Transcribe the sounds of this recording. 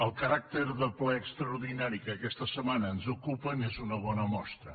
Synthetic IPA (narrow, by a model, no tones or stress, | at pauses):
əlˠkəɾak̚t̪eɾðəplɛːkst̪ɾɐuɾðinaɾikəkɛst̪əsəmanəːnzukupənezunəβɔnəmɔst̪ɾə̰